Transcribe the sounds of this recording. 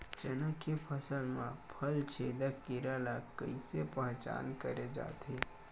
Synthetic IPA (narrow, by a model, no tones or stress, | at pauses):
d͡ʒənakepʰəsəlmãpʰəlt͡ʃʰeːd̪əkːɪɾalakəisepəɦt͡ʃa̰ːnkəɾed͡ʒa̰ːt̪e